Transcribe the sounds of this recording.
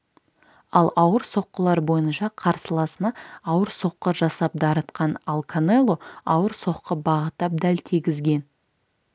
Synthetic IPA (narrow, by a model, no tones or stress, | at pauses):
ɑlˠɑwəɾso̞qːəlˠɑɾbo̞jənʃɑqʰɑɾsəlˠɑsənɑɑwəɾso̞qːəʒɑsɑp̚d̪ɑɾət̪qɑnalˠkʰanelˠoɑwəɾso̞qːəbɑʁət̪ːɑp̚d̪ælt̪ʰiɡʲɪzɡʲe̞n